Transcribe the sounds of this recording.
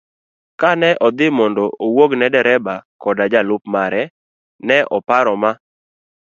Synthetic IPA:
kanɛʔɔd̪ɪmɔndɔʔowoɡnɛdɛɾɛbakɔdad͡ʒalʊpmaɾɛ | nɛʔɔpaɾɔma

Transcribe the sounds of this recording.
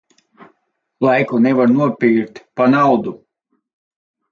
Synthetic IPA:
lˠajkunɛvaɾnuɔpʲiɾt̪panawd̪u

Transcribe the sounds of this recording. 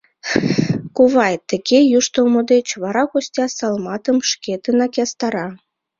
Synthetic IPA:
kuvɑjt̪ːɘ̆kʲejuʃt̪omod̪et͡ɕβɑɾɑɣosʲtʲɑsɑlˠmɑt̪ə̆mʃkʲet̪ɘ̆nɑkʲast̪ɑɾɑ

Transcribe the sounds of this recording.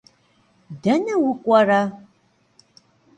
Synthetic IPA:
dɐnɐwʊkʷʼɐra

